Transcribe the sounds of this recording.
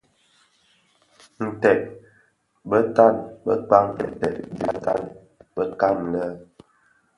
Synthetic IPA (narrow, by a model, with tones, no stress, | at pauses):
n̩˨tɛ˨t̚ | bə˦ta˦˨nbə˦k͡pa˦ŋtɛ˨tɛ˨ʔ̚bḭ˨ta̰˦˨n | b̥ə˦ka˦˨mlə˦